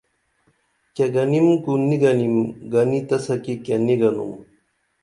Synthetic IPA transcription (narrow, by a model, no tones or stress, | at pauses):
keɡɐnimkuniɡɐnimɡɐnit̪ɐsɐkikeniɡɐnṵm